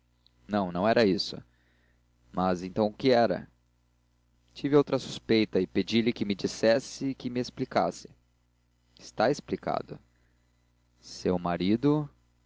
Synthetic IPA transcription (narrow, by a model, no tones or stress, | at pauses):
nɐ̃w̃nɐ̃w̃ɛɾɐisʊ̰ | mɐzẽnt̪ɐ̃w̃kɪɛɾɐ̰ | t͡ʃivɪowt̪ɾɐsu̥spejt̪ɐɪped͡ʒilɪkɪmɪd͡ʒisɛsɪkɪmɪesplika̰sɪ̥ | ɪst̪aesplika̰d̪ʊ̰ | sewmaɾid̪ʊ